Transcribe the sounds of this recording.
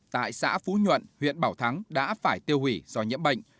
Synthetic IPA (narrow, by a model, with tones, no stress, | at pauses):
t̪a̰ː˧˨jsa̰ː˧˥fu˨˦ɲwə̰˧˨nhwḭ˧˨ənɓaː˧˩wt̪ʰa˨˦ŋɗa̰ː˧˥faː˧˩jt̪i˧əwhwi˧˩z̥ɔ˧ɲḭ˧˥əmɓə̰˧˨jŋ̟